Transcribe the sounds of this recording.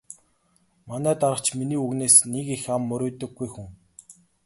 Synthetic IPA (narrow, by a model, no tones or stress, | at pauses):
manæːt̪aɾə̆χt͡ɕminiːuɣneːsnekixamːɵɾʲʊːt̪ɵ̆ɡːujxuŋ